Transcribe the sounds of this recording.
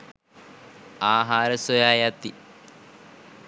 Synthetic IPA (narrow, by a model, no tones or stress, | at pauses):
aːɦaːɾəsojaːjat̪i